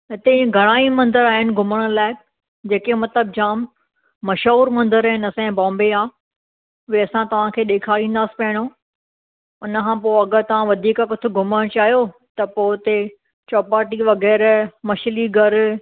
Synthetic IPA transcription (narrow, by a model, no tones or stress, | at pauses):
ɪt̪eɡʱɐɽ̃aːimɐ̃nd̪əɾaːɦɪnɪ̆ɡʱʊməɽ̃laːɪ | d͡ʑeːkemɐt̪ləbd͡ʑaːmː | ɐʃɦuːɾmɐ̃nd̪əɾaːɦɪnɐsãɛ̃bɔ̃ːmbeaː | ʊeɐsãt̪ɐʋ̤ãkʰeːɗeːkʰaːɾĩːn̆d̪aːsi̥pɐɦɪɽ̃oː | ʊnəkʰãːpoːɐɡəɾt̪ɐʋ̤ãʋɐd̪ʱiːkkʊt̪ʰɪɡʱʊməɽ̃t͡ɕaːɦijot̪ɐpoːɪt̪e | t͡ɕɔːpaːʈiʋɐɣɛːɾmɐʃliɡʱɐɾ